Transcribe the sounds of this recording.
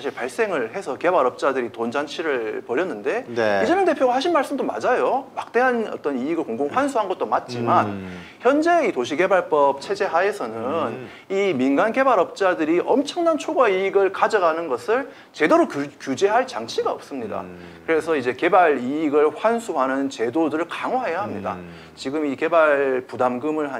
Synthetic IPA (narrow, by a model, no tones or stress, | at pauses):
saɕʰiɭpaɭs͈e̞ŋɯɭhe̞sʰʌke̞baɾʌp̚t͡ɕ͈adɯɾitond͡ʑant͡ɕʰiɾɯɭpʌɾjʌnːɯnde̞id͡ʑenʌŋde̞pʰjoɡahaɕ̬ʰinmaɭs͈ɯmdoma̰d͡ʑajomak̚t͈e̞ɦanʌ̰t͈ʌniiɡɯɭkoŋɡoŋɸwansʰuɦanɡʌt̚t͈omat̚t͡ɕ͈iman | çjʌnd͡ʑeitoɕʰike̞baɭp͈ʌp̚t͡ɕʰe̞d͡ʑe̞ɦae̞sʰʌnɯn | iminɡanke̞baɾʌp̚t͡ɕ͈adɯɾiʔʌmt͡ɕʰʌŋnant͡ɕʰoɡwaiiɡɯɭkad͡ʑʌɡanɯnɡʌsʰɯɭ | t͡ɕe̞doɾokkjud͡ʑe̞ɦaɭt͡ɕaŋt͡ɕʰiɡaʌ̰p̚s͈ɯmɲida̰kɯɾe̞sʰʌid͡ʑe̞ke̞baɾiiɡɯɭɸwansʰuɦanɯnt͡ɕe̞dodɯɾɯɭkaŋwaɦajaɦamɲida̰ | t͡ɕiɡɯmike̞baɭpudamɡɯmɯɭa